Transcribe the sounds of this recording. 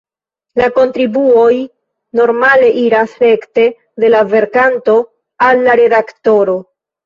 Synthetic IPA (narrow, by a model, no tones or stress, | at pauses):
lako̞ntɾibuo̞j | no̞ɾmale̞ʔiɾasɾe̞kte̞ | de̞lave̞ɾkanto̞ | alːaɾe̞dakto̞ɾo̞